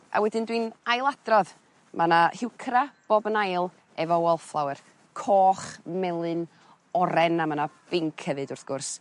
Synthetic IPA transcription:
a̰wɛdɨndwinajlˠadrɔð | manahɪwkʰɾab̥ɔbənajlˠ | ɛvɔwɔlˠflˠawɨr | kʰɔːχmɛlˠɨn | ɔɾɛnamanab̥ɪŋkʰəvɨdʊrθɡ̥ʊrs

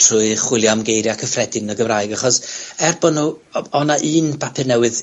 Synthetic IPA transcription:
tʰrʊɨχwɪlˠjamɡejɾjakʰəfrɛdɨnəɡəvraɨɡaχɔsɛrbɔnu | ɔnaʔɨːnbʰapʰɛnɛwɨð

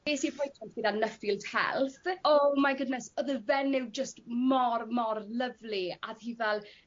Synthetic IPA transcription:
eːsipʰɔjtʰɛnt̚ɡədanəfilˠtʰhɛ̰lˠθɔmaɡʊdnɛsɔðəvɛnɪwd͡ʒəstmɔrmɔrləvliaðhiːvɛlˠ

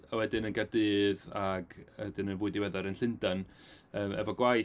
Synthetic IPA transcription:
awɛdɨnənɡadɨːðaɡɛdɨnənvʊɨdiwɛðɔɾənɬɨndan | əːmɛvɔɡwaj

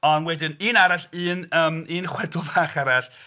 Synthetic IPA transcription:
ɔnwɛdɪniːnaɾaɬɨːnəːmiːnχwɛdʊlˠvaːχaɾaɬ

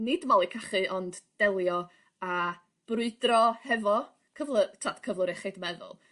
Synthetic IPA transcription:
nɪdmalˠikʰaχɨʔɔndd̥ɛlˠjɔ | a | b̥rʊɨdrɔhɛvɔ | kʰəvlˠətʰatkʰəvlˠəɾɛχɨdmɛðʊ̰lˠ

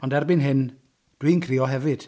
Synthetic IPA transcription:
ɔndɛrbɨnɦɪn | d̥winkʰrɪɔɦɛvɨd̥

